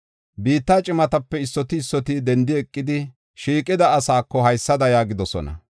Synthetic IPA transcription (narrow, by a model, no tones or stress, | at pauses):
biːt̪ːaːt͡ʃʼɪmɐt̪ɐpːɛɪsːɔt̪ɪːsːɔt̪id̪ɛnd̪ɪɛkʼːɪd̪ɪ | ʃiːkʼɪd̪ɐːsaːkːɔɦɐjsːɐd̪ɐjaːɡɪd̪ɔsɔ̰nɐ̰